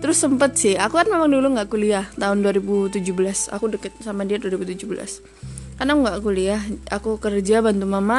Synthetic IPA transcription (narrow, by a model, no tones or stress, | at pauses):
t̪əɾʊsːəmpət̪̚sɪhakukanmemaŋduluŋɡaʔkuliaht̪aɦʊnduaɾibut̪ud͡ʒubəlasa̰kudəkət̪̚samadiaduaɾibut̪ud͡ʒubəla̰s | kanaŋɡaʔkuliahakukərd͡ʒabant̪umama